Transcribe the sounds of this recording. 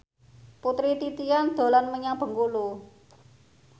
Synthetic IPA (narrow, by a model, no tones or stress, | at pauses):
put̪ɾit̪it̪ijand̪̥o̤lanməɲab̥ə̤ŋkulu